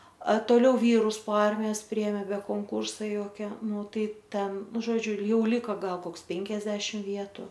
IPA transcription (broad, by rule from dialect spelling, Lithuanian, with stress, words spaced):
ɐ toːˈlʲɛʊ ˈʋʲiːrʊs poː ˈɐrʲmʲɪjoːs ˈpʲrʲɪeːmʲeː bʲɛ koːŋˈkuːrsɐ ˈjoːkʲɛ ˈnʊ ˈtɐɪ ˈtʲɛn ˈnʊ ʒoːˈd͡ʒʲʊ ˈjɛʊ ˈlʲɪkɐ ˈɡɐlˠ ˈkoːks ˈpʲɛŋʲkʲɛzʲdʲɛʃʲɪm ˈʋʲiɛtʊ